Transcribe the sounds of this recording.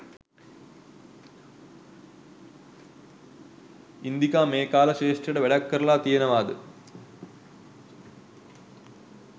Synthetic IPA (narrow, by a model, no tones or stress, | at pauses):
ind̪ikaːmeːkaːlɐɕeːʂʈrɐɽeʋeɭɐkːɐɾɐɭaːt̪ijɐnɐʋaːd̪ɨ